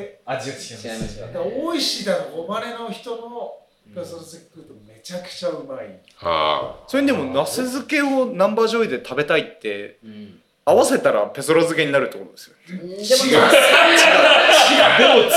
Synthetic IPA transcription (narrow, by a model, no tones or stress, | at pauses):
d̪oiɕid̪akaɡomaɾeno̞çi̥t̪ono | pesoɾozekʲkːɯt̪ome̞t͡ɕakɯ̟̥t͡ɕaɯmai | a̰soɾeɲʲid̪emo̞nasezɨke̞o̞nãmbaʑo̞id̪e̞t̪abe̞t̪ait̪ːe̞̰ | aβase̞t̪aɾa̰pe̞so̞ɾozɨke̞ɲ̟inaɾɯ̟t̪ːo̞koɾod̪e̞sɨjone | iad̪o